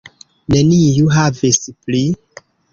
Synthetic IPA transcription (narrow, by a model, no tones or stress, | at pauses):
nenijuɦavispli